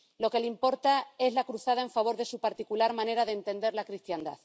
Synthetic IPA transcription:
lo̞ke̞limpo̞ɾt̪ae̞zlakɾuθað̞ae̞ɱfaβ̞o̞ɾðe̞supaɾt̪ikulaɾmãne̞ɾaðent̪e̞nd̪e̞ɾlakɾist̪jand̪a̰ð

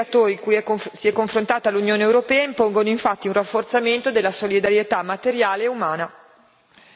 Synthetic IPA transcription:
at̪oːɾikujɛksiɛkːoɱfɾont̪aːt̪alunjoːneewɾopɛːaimpoŋɡonoiɱfat̪ːiunrafːort̪sament̪od̪elːasolid̪aɾjet̪amːat̪eɾjaːleumaːna

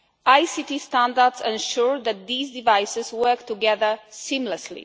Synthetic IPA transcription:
ajsitistæ̃ndədzɛ̃nʃuɹðæt̚d̪iːzdivajsɪzwɜ˞k̚tuɡɛðə˞sĩmləslḭ

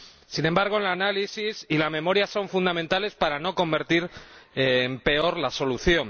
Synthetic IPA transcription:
sinẽ̞mbaɾɣ̞o̞lanalisisilamẽ̞mo̞ɾjaso̞ɱfund̪amẽnt̪ale̞spaɾano̞ko̞mbe̞ɾt̪iɾ | mpe̞o̞ɾlaso̞luθjo̞n

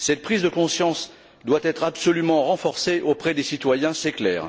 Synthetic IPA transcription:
sɛt̪̚pχizd̪əkɔ̃sjɑ̃s | d̪wat̪ɛt̪χabsɔlymɑ̃ʁɑ̃fɔʁseʔopχɛd̪esit̪wajɛ̃seklɛ̰ːʁ

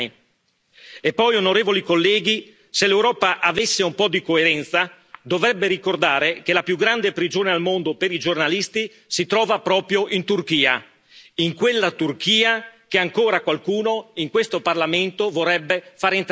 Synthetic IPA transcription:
i | epːɔjonoɾeːvolikolːɛːɡi | selːewɾɔːpaʔavesːeumpɔd̪ikoeɾɛnt̪sa | d̪ovɾɛbːeɾikord̪aːɾekelapjuɡɾand̪epɾid͡ʒoːnealmond̪opeɾid͡ʒornalist̪i | sit̪ɾɔːvapɾɔːpɾjoʔint̪urkiːa̰ | iŋkwelːat̪urkiːak̟eaŋkoːɾakwalkuːnoiŋkwest̪oparlament̪ovorːɛbːefaːɾeint̪

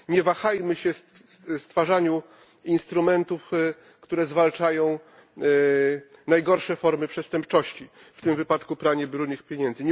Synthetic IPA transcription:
ɲɛvaxajmɘɕɛ | st̪faʐaɲu | inst̪ɾumɛnt̪uf | kt̪uɾɛzvalt͡ʂajɔ̃w̃ | najɡɔɾʂɛfɔɾmɘpʂɛst̪ɛmpt͡ʂɔɕt͡ɕi | ft̪ɘmvɘpat̪kupɾaɲɛbɾunɘxpʲjeɲɛnd̪zɘɲ

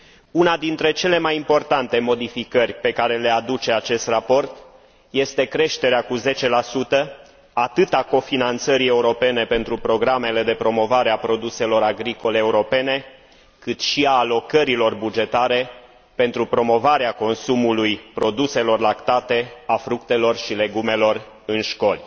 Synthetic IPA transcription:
unad̪int̪ɾe̞t͡ʃe̞le̞majimpo̞rt̪ant̪e̞mo̞d̪ifikərʲpe̞kaɾe̞le̞ad̪ut͡ʃe̞at͡ʃe̞st̪rapo̞rt̪ | je̞st̪e̞kɾe̞ʃt̪e̞ɾeakuze̞t͡ʃe̞lasut̪ə | at̪ɨt̪ako̞finant̪səɾie̞uɾo̞pe̞ne̞pe̞nt̪ɾupɾo̞ɡɾame̞le̞d̪e̞pɾo̞mo̞vaɾeapɾo̞d̪use̞lo̞ɾaɡɾiko̞leːuɾo̞pe̞ne̞ | kɨt̪ʃiaːlo̞kəɾilo̞rbud͡ʒe̞t̪aɾe̞ | pe̞nt̪ɾupɾo̞mo̞vaɾeako̞nsumulujpɾo̞d̪use̞lo̞rlakt̪at̪e̞afɾuk̚t̪e̞lo̞rʃile̞ɡume̞lo̞r | ɨnʃko̞lʲ

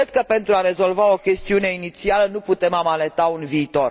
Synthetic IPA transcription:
ed̪̚kəpe̞nt̪ɾuaɾe̞zo̞lvao̞kʲe̞st̪iune̞init̪sialənuput̪e̞mamale̞t̪aunviːt̪o̞r

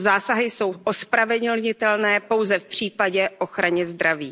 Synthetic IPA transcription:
zaːsaɦɪso̞wʔo̞spɾavɛd̪l̩ɲɪt̪ɛlnɛːpo̞wzɛfpr̝̥iːpaɟɛʔo̞xɾaɲɛzd̪ɾavḭː

